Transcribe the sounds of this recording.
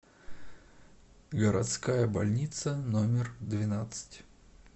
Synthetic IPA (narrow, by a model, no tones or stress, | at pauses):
ɡəɾɐt̪skajəbɐlʲnʲit̪sənomʲɪrd̪vʲɪnat̪sɨ̥tʲ